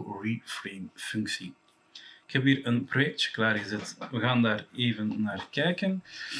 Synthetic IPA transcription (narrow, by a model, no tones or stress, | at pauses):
rifreːmfʏŋksi | ɪkhɛpiːɾənprojɛk̚tə̥klaːrɣəzɛtʋəɣaːndaːreːvənːaːrkɛjkən